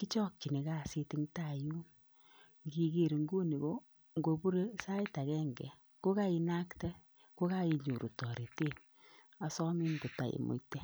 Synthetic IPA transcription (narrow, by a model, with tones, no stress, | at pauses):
ki˦t͡ʃɔ˦k̚t͡ʃi˨ne˨ka˦˨se˧ti˦ŋta˦˨ju˦ | ŋɡi˦ke˦˨ɾŋɡu˦ni˨bo˦ | ŋɡo˨bu˦ɾe˦sa˦i˦ta˨kɛ˦ŋɡɛ˨ | ko˦ka˦i˧na˦ktɛ˦ | ko˦ka˦i˧˨ɲu˨ɾu˨tɔ˨ɾe˨te˦˨ | a˨sɔ˦mi˦mbu˨ta˨jḛ˨mo̰˨itɛ˦